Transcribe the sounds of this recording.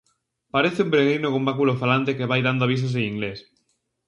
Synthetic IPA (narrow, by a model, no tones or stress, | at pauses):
paɾeθeumpeɾeɣ̞ɾinokombakulofalant̪ekeβajðand̪oaβ̞isos̬ẽiŋɡles